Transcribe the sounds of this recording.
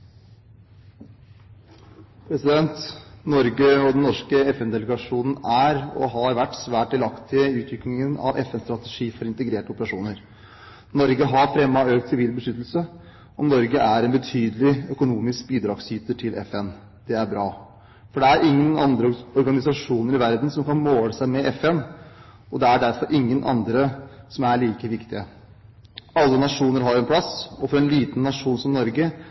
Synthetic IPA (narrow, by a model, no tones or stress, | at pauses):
pʰɾɛsɪd̪ɛnt̪nɔɾɡəɔd̪ɛnnːɔʂkəɛfɛnd̪ɛləɡɑʂuːnən̩æɾɔ̰ɦɑɾʋæʈːsʋæːʈ̚ɪlɑkt̪ʰːɪʉːt̪ʰʋɪklɪŋənɑ̰ʋʔɛ̰fɛnst̪ɾɑt̪ə̥ʂiːfɔɾɪnt̪əɡɾeːʈəɔpəɾɑʂuːnəɾ | nɔɾɡəɦɑɾfɾɛmːɑøːk̚t̪sɪʋiːlbəʂʏt̪ːl̩sə | ɔnɔɾɡəʔæɾɛnbət̪ʰyːd̪əlɪœkʊnuːmɪskbiːd̪ɾɑːɡsyːt̪əʈʰɪlʔɛ̰fɛn | d̪̥ɛæɾbɾɑː | fɔɖɛæɾʔɪŋːənɑnd̪ɾəɔɾɡɑnɪsɑʂuːnəɾɪʋæɾd̪nsɔmkɑnmoːləsæɪmɛʔɛfɛnɔd̪ɛæɖæɾfɔɾʔɪŋːənʔɑ̰nd̪ɾəsɔmæɭiːkəʋɪkt̪ɪə | ɑlːənɑʂuːnəɾɦɑɾɛnpʰlɑsɔfɔɾɛnliːt̪nːɑʂuːnsɔmnɔɾɡə